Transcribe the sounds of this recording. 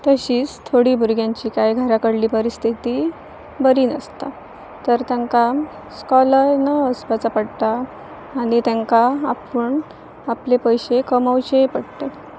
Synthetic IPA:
t̪əɕiːt͡st̪ʰoɽiːbʱuɾɡjãɲt͡ɕiːkajɡʱəɾakəɽliːpəɾist̪ʰit̪iː | bəɾiːnəst̪a | t̪əɾt̪aŋka | skɔlanaəspat͡sapəɽt̪aː | ɽ̃it̪ãŋkaapuɳ | aplepəjɕekəmawt͡ɕepəɽt̪e

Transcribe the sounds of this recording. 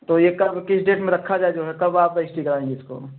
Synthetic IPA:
t̪ojekɐbkɪt͡ʃʰɖeːʈmẽɾəkʰːad͡ʒaed͡ʒoɦɛkɐbaːp̚d̪əɪsʈikəɾaẽŋɡeɪsko̰

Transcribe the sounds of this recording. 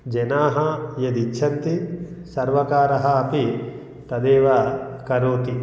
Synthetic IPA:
d͡ʒenaːɦɐjɐd̪it͡ʃʰɐt̪ːisɐɾʋɐkaːɾɐɦɐːpi | t̪ɐd̪eːʋɐkɐɾoːt̪i

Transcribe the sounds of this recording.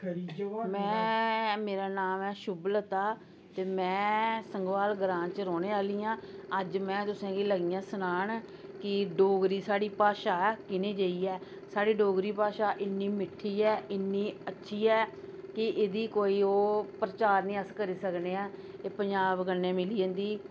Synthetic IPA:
mɛ̃ːmeːɾaːnaːmɛːʃʊblət̪aː | t̪eːmɛ̃ːsəŋɡʋaːlɡɾãːnt͡ʃəɾɔːneːaːliːãːəd͡ʒmɛ̃ːt̪ʊsãːɡiːləɡiːjãːsʊnaːɳ | kɪɖoːɡɾiːsaːɽiːpaːʃaːkɪnẽːd͡ʒəiːɛː | saːɽiːɖoːɡɾiːpaːʃaːʔɪnːiːmɪʈʰːiːɛːʔɪnːiːətːʃʰiːɛːkɪʔeːd̪iːkoːiːoːpɾət͡ʃaːɾnĩːəskəɾiːsəkneːãːeːpəɲd͡ʒaːbɡənːẽːmɪliːə̃ːnd̪iː

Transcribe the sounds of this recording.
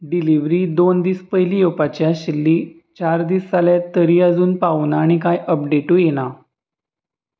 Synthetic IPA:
ɖiliʋɾiːd̪ond̪iːspəɦilijopat͡ɕjaɕilːiː | t͡ɕaɾd̪iːsːaljat̪ːəɾiːəd͡zuːnpaunaɽ̃ikajʔəpɖeʈuːjeña

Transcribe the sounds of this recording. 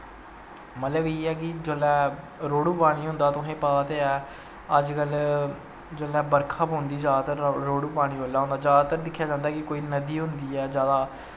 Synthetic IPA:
mət̪ləbeːɛːkɪd͡ʒolɛː | ɾoːɽuːpaːɽ̃iːɦʊ̃nd̪aːt̪ʊɦẽːpaːt̪eɛː | əd͡ʒkəl | d͡ʒəlːɛːbəɾkʰaːpõːnd̪iːd͡ʒaːd̪t̪əɾɾoːɽuːpaːɽ̃iːoːlːaːɦʊ̃nd̪aːd͡ʒjaːd̪aːt̪əɾd̪ɪkʰːjaːd͡ʒãːnd̪aːkɪkoːiːnəd̪iːɦʊnd̪iːɛːd͡ʒjaːd̪aː

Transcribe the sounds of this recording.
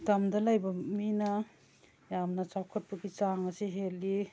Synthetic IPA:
damdɐlajbɐmina | jamnɐt͡ʃawkʰɐt̚pɐɡit͡ʃaŋɐsiɦeli

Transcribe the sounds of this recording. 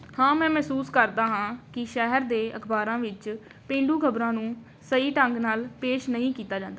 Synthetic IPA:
hãːmɛ̃ːmɛɦsuːskəɾd̪aːɦãːkɪʃɛɦəɾd̪eːəkʰbaːɾãːʋɪt͡ʃ | pẽːɳɖuːkʰəbɾãːnũː | səiːʈəŋɡnaːlpeːʃnəĩːkiːt̪aːd͡ʒãːnd̪aaː

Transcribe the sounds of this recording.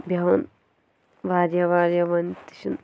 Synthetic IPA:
bʱjɐʋɐn | ʋaːɾjɐʋaːɾjɐʋɐnt̪i̥ʃun

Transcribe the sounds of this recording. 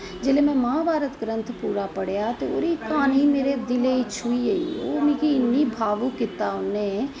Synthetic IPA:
d͡ʒeːlemɛ̃mãːbʱaːɾət̪ɡɾə̃nt̪ʰpuːɾapəɽjat̪eoːɾikaːnimeːɾed̪ɪleit͡ʃʰuːiəḭoːmɪ̃ːkiɪnːibʱaːʋũkɪt̪aʊnːẽ

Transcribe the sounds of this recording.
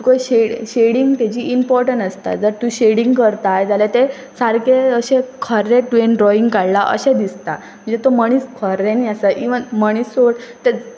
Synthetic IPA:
t̪ukojɕeɽɕeɽiŋɡt̪at͡ɕiːʔimpɔɾʈəɳʈəst̪a̰d͡zəɾt̪ũɕeɽiŋɡkəɾt̪ajd͡zalat̪e | saɾkeəɕekʰəɾːeʈʋenɖɾɔiŋɡkaɽlaʔə̰ɕẽd̪ist̪a | m̤əɳd͡zet̪oməɽ̃iːskʰəɾːeniːasəʔiʋənməɽ̃iːsoʈt̪e

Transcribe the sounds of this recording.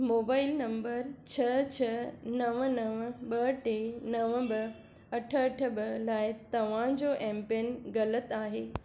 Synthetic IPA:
moːbaːɪlnɐ̃mbəɾt͡ɕʰɐt͡ɕʰɐnɐʋənɐʋəɓɐʈeːnɐʋə̃bɐ | ɐʈʰəɐʈʰə̆ɓɐlaːɪt̪ɐʋ̤ãd͡ʑoːʔɛ̃ːmpenɣɐlət̪aːɦeː

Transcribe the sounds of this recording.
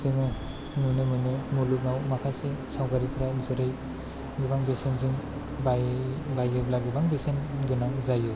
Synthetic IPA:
zɯŋɯ | nunɯmɯnɯmulup̚nawmakʰasesawkaɾipʰɾazɯɾɯj | ɡɯbaŋbesenzɯŋ | babajɯblaɡɯbaŋbesenɡɯnazajɯ

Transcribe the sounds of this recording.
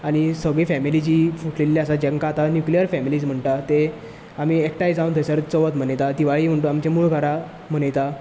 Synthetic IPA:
aɽ̃isəɡɭifɛmilit͡ɕiːfuʈlelːjaasad͡ʑɛ̃ŋkat̪anjuklijəɾfɛmiliːd͡zm̤əɳʈ̪at̪e | am̤iek̚ʈajd͡zãũnt̪əjsəɾt͡səʋət̪m̤əɳəjt̪ad̪iʋaɭiːm̤əɳʈ̪uamt͡ɕemuɭɡʱaɾa | m̤əɳəjt̪a

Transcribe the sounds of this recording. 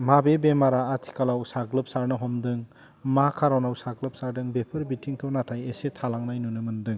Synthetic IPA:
mabebemaɾaːtʰi̥kʰalawsaɡlɯp̚saɾnɯɦɔmdɯŋ | makʰaɾawnawsaɡlɯp̚saɾdɯŋbepʰɯɾbitʰiŋkʰɯwnatʰajesetʰalaŋnajnunɯmɯndɯŋ

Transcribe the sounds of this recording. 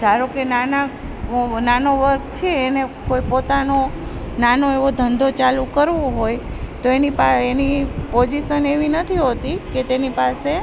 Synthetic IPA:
d͡ʒʱaɾokenana | nanoʋəɾkt͡ʃʰeːnekoipot̪ano | nanoeʋod̪ʱənd̪ʱot͡ʃalukəɾʋoɦojt̪oenipaenipod͡ʒiʃəneʋinət̪ʰiɦot̪iket̪enipase

